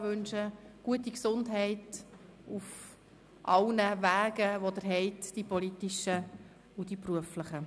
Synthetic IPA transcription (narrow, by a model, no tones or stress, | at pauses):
ʋɵnʃəɡ̥uətiksʊndɦɛɪtuf | ʔɑlnəʋæːɡəʋodəɾɦɛɪtd̥ipɔlitɪʃə | ud̥ipruəfləχə